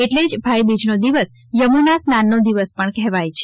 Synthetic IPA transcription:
eʈled͡ʒbʱajbid͡ʒnod̪iʋəs | jəmunasnanːod̪iʋəspəɳkɛɦʋajt͡ʃʰe

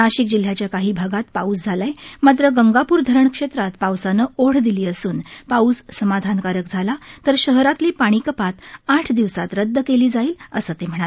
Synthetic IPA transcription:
naɕik̚d͡ʑil̤ːjat͡ɕjakaɦiːbʱaɡat̪pauːsd͡zʱalajmat̪̬ɾəɡəŋɡapuːɾd̪ʱəɾəɳkʂet̪ɾat̪pawsanəːoɽ̤d̪iliːəsuːnpauːssəmad̪ʱankaɾək̚d͡zʱalat̪əɾɕəɦɾat̪liːpaɽ̃iːkəpat̪aʈʰd̪iʋsat̪ɾəd̪ːəkeliːd͡zaiːləsəːt̪em̤əɳ̃ae

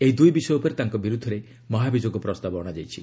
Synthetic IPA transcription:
eɦid̪ujbisɔjɔupɔɾet̪aŋkɔbiɾud̪ʱːɔɾe | mɔɦabid͡ʒoɡɔpɾɔst̪abɔɔɽ̃ad͡ʒajt͡ʃʰi

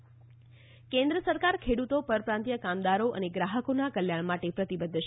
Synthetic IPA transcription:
kẽnd̪ɾəsəɾkaɾkʰeɽut̪opəɾpɾãnt̪jəkamd̪aɾoʔə̰neɡɾaɦəkonakəljaɳmaʈepɾət̪ibəd̪ʱːʃ

